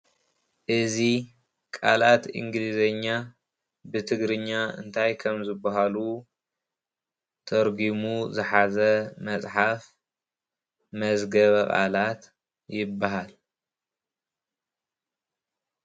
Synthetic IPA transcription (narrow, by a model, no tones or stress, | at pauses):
ʔɨzi | kʼalat̪ḭŋɡlizɐɲːa | bɨt̪ʰɨɡɾɨɲːaɨ̰nt̪ʰajkʰɐmzɨbːaɦalu | t̪ʰɐɾɡimuzɨħazɐmɐt͡sʼħaf | mɐzɡɐβɐkʼa̰lat̪ | jɪbːaɦal